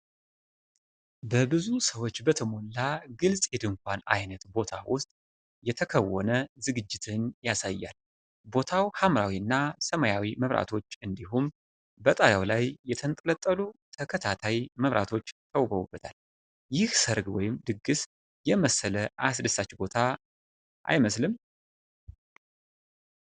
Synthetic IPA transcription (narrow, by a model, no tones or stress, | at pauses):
bəbɨzusəwo̞t͡ʃːbət̪ʰəmo̞lːaɡɨlsʼjɛd̪ɨŋkʷʰana̰jnət̪bo̞t̪ʰawʊst̪ʼ | jɛt̪ʰəkʰəwːɔ̰nəzɨɡɨd͡ʒːɪt̪ʰɨnjasajːa̰l | bo̞t̪ʰawhamɾawiɨnːasəmajawiməβɾa̰t̪ʰo̞t͡ʃːɨnd̪iɦum | bət̪ʼajawlajːɛt̪ʰənt̪ʼələt̪ʼːəlut̪ʰəkʰət̪ʰat̪ʰajməβɾʔa̰t̪ʰo̞t͡ʃːt̪ʰəwbəwubːət̪ʰal | jɪhsəɾɡwɔjɪmd̪ɨɡːɨs | jɛməsələʔas̬dɨsat͡ʃːbo̞t̪ʰa | ʔa̰jməslɨm